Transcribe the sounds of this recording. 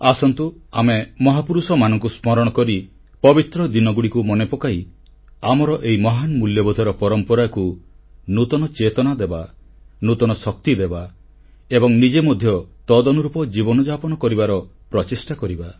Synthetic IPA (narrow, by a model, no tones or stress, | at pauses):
asɔnt̪uamemɔɦapuɾusɔmanɔŋkusmɔɾɔɽ̃ɔkɔɾi | pɔbit̪ɾɔd̪inɔɡuɽikumɔnepɔkai | amɔɾɔʔeimɔɦanmuljɔbɔd̪ʱɔɾɔpɔɾɔmpɔɾaku | nut̪ɔnɔt͡ʃet̪ɔnad̪eba | nut̪ɔnɔsɔk̚t̪id̪eba | ebɔŋnid͡ʒemɔd̪ʱjɔt̪ɔd̪ɔnuɾupɔd͡ʒibɔnɔd͡ʒapɔnɔkɔɾibaɾɔpɾɔt͡ʃisʈakɔɾiba